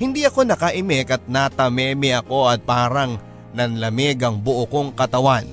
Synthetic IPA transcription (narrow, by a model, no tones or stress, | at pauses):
hɪnd̪iʔɐko̞nɐkɐʔɪmɪkɐt̪̚nat̪ɐmɛːmɪɐko̞ɐt̪̚paːɾɐŋ | nɐnlɐmɪɡɐŋbʊʔokoŋkɐt̪ɐwan